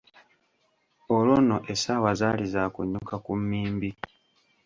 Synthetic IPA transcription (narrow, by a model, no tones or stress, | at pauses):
olwo̞ːnoʔesawazaːlizakuɲːukakumːiːmbi